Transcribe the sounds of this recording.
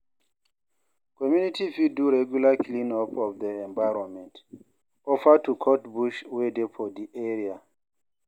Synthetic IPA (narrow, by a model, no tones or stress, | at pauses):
kɔmjunitifiduɹɛɡjulakʰlĩnɔpʰɔfdəɛ̃ɱbaɹɔ̃nmɛ̃nt | ɔfatukʰɔtbuʃwedefʰɔdiʔɛɹia